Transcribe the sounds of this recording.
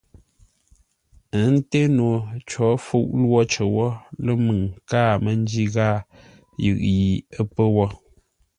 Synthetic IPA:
ə˨˦n̩˦te˦no˨t͡ʃɔ˨˦fu˦˨ʔlwɔ˦t͡ʃə˨wɔ˦lə˦mɨ˨ŋkaː˦˨mə˦n˦d͡ʒi˦ɣaː˦ | jɨ̰˨ʔji˨ə˦pə˦wɔ˦

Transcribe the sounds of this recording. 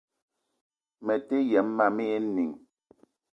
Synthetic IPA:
mɛ˨te˦jɛ˨˦mːa˦˨mɛ˦je˦ni˨ŋ

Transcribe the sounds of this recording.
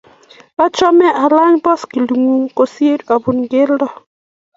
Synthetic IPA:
ba˦t͡ʃɔ˦mɛ˦ʔa˨la˦ɲbɔ˦ski˨lu˨ŋu˨ŋko˨sje˦ɾa˨bu˨nɡɪ˦ldɔ˨

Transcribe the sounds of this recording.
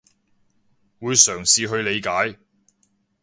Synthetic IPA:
wuː˨˧jsœː˨˩ŋsiː˨˧ɦɵ˧ɥle˨˧jkaː˨˥j

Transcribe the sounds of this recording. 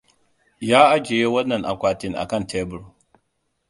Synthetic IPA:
jaː˦ʔa˦d͡ʒeː˨je˦wɐ˦nːɐ˨nʔa̰˨kʷaː˨tɪ˦ŋʔa̰˨kɐ˦˨ntʰeː˦bʊ˨ɾu˦

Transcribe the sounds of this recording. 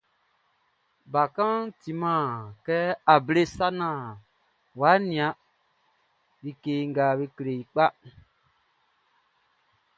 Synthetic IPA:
ba˨kã˦nti˨mãː˦˨kɛ˦a˨be˦sa˦nã˨ | wa˨˦nĩ˨ã˨˦ | bi˦keː˦ŋ˦ɡa˨bi˦kɾe˨i˨k͡pa˦

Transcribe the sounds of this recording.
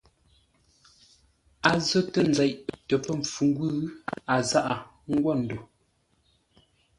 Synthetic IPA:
a˨zə˦tə˦n˨d͡zɛ˨ʔtə˨pə˦ɱ˨fu˨ŋ˦ɡwʉ˦a˨za˦ʔa˨ | ŋ̩˦ɡwɔ˦˨n̩˨do˨

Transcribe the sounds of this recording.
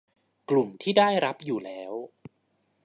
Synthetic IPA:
klu˨˩mt̪ʰiː˥˩daː˥˩jɾa˦˥p̚juː˨˩lɛː˦˥w

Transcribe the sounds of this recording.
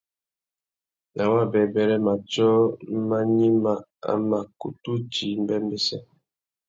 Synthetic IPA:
na˨wa˦˨bɛ˨bɛ˨ɾɛ˦ma˨t͡ʃɔ˦ma˦ɲi˦ma˦˨a̰˨ma˨kṵ˨tu˦d͡ʒi˨˦m˦bɛ˦m˦bɛ˦sɛ˦

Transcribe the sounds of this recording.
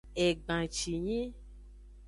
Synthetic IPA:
e˨ɡ͡bã˨t͡ʃi˨ɲĩ˦

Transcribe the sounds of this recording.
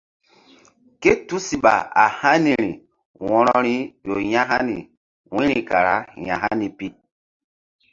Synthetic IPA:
ke˦tu˦si˨ɓa˨a˨ha˦ni˨ɾi˨ | wɔ̃˦ɾɔ˦ɾi˦jo˨ɲã˦ɦa˦ni˨ | wĩ˦ɾi˨ka˨ɾa̰˨˦jã˨ɦa˦ni˨pi˦

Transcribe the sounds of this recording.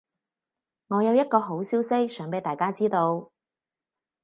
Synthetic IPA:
ŋɔː˨˧jɐ˨˧wjɐ˥t̚kɔː˧ɦo˨˥wsiː˥wsɪ˥k̚sœː˨˥ŋmpe˨˧jt̪aː˨jkaː˥t͡siː˥t̪o˧w

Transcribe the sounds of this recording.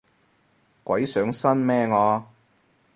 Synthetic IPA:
kwɐ˨˥jsœː˨˥ŋsɐ˥nmɛː˥ŋɔː˨˧

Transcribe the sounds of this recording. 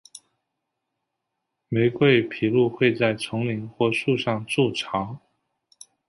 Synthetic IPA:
me˧˥ɪkwe˥˩ɪpʰi˨˩lu˥˧xwe˥˧ɪt͡sa˥˩ɪt͡sʰɤ˧˥ŋli˧˥ŋxwɔ˥˧ʂu˥˧ʂɑ˥˧ŋʈ͡ʂu˥˩ʈ͡ʂʰɑ˧˥ŋ

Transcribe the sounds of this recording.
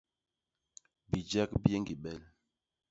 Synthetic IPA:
bi˨d͡ʒɛ˦kbe˦ŋɡi˨ɓɛ˦˨l

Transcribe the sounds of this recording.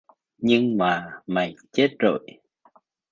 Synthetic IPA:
ɲɨ˧ŋmaː˨˩ma˨˩jt͡ɕe˦˥t̚zo̰˧˨j

